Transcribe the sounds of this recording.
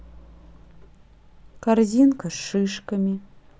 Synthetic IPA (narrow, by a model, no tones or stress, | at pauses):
kʰarzʲinkʰɐʂɨʂkɐmʲi